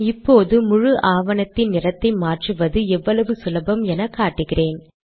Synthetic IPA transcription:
ɪpːoːðɯmʊɻɯʔaːʋɐnɐt̪ːɪnnɪrɐt̪ːɐɪmaːʈrɯʋɐðɯɛʋːɐɭɐʋɯsʊlɐbɐmɛnɐkːaːʈːɯɣɪreːn

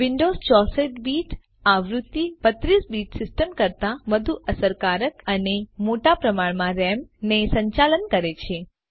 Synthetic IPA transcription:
ʋiɳɖost͡ʃɔseʈbiʈʰ | aʋɾut̪ːibət̪ɾisbiʈsɪsʈəmkəɾt̪aʋəd̪ʱuʔəsəɾkaɾəkənemoʈapɾəmaɭmãɾɛmnesəɲt͡ʃalənkəɾet͡ʃʰe

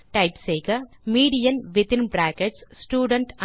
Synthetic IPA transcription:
ʈɐjpseːkɐmiːɖijɐnʋit̪inbɾaːkeʈsːʈuːɖɐɳʈ

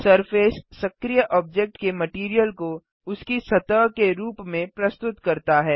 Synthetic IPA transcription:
sɐɾfeːssɐkɾijəʔɔːb̚d͡ʒek̚ʈkemɐʈiːɾijəlko | ʊskisɐt̪əːkeɾuːpmẽpɾɐst̪ʊt̪kɐɾt̪aɦɛː

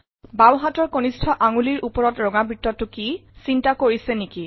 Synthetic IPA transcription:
bawɦatɔɹkonistʰɔʔaŋuliɹʔupɔɹɔtɹɔŋabɹitːɔtʊkisintakoɹisɛniki

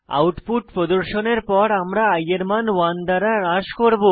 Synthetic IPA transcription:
a̰wʈpuʈpɾod̪uɾʃoneɾpɔɽamɾaajeɾmanwand̪aɾaɾaʃkoɾbo

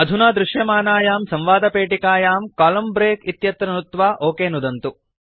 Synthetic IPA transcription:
ɐd̪ʱunaːd̪ɾuʃjɐmaːnaːjaːmsɐ̃mʋaːd̪ɐpeːʈikaːjaːmkaːlɐmbɾeːkit̪jɐt̪ɾɐnut̪ʋaːʔoːkeːnud̪ɐnt̪u

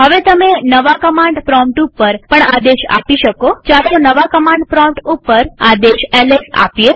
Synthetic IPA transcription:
ɦəʋet̪əmenəʋakəmãɳɖfɾɔmʈupːəɾpəɳad̪eʃa̰piʃəkot͡ʃaɾt̪onəʋakəmãɳɖpɾɔmʈupːəɾad̪eʃɛlesa̰pje

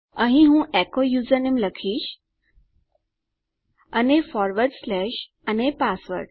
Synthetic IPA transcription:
ə̃ɦĩɦũʔɛkojud͡zənimləkʰiːɕ | ənefɔɾʋəɾɖslɛɕ | ənepasʋə̰ɾɖ

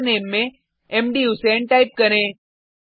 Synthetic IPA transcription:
neːmːẽ | emɖiuseɳʈaːɪp̚kɐɾẽː

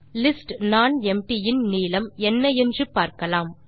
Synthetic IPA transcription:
lɪsʈnaːnɛmʈɪjɪnniːlɐmɛnːɐɛndrɯpaːɾkɐlaːm

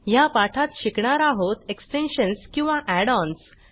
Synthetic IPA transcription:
japaʈʰat̪ɕikɳaɾaɦot̪eksʈenɕənskĩw̃ʋaʔæɽɔns

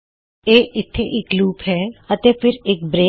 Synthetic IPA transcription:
eːɪt̪ʰːeʔɪkluːpɦɛːɐt̪epʰɪɾeːk̚bɾeː

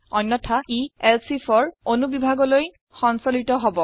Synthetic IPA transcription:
ɔnːɔtʰaiɛlsifʰɔɹonubibʱaɡɔloj | xɔnsolitɔɦɔbɔ

